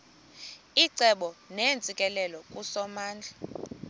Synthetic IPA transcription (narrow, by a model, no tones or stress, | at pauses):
iǀʱɛɓɔnent͡sʼikʼɛlɛlɔkʼusɔmaːnd͡ɮʱa